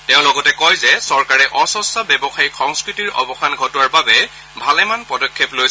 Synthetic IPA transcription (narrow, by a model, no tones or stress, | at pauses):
teʊ̃lɔɡɔtɛkɔjzɛsɔɹkaɹɛʔɔsɔsabjɛbɔxajxɔŋskɹitiɹɔ̰bɔxanɡʱɔtɔaɹbabɛ | bʱalɛmanpɔdɔkʰːeplojsɛ